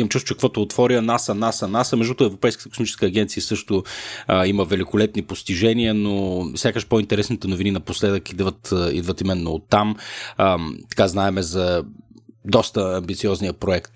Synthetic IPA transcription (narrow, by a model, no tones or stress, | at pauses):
imt͡ʃust̪t͡ʃɛkvɔt̪ʊːt̪vɔɾiənasɐnasɐnasəmɛʒd̪ut̪oɛvɾopɛjskət̪ə̥ko̥smit͡ʃɛ̥skəːɡʲɛnt̪siəsɤʃt̪ʊiməvɛlikolɛt̪nipost̪iʒɛniənofsʲjakəʃpoint̪ɛɾɛsnit̪ɛnovininɐposlɛd̪əkid̪vət̪ḭd̪vət̪imɛnːoːt̪ːam | t̪ɐ̥kaznaɛmɛzɐ | d̪ɔst̪əːmbit̪siɔznijəpɾoɛkt̪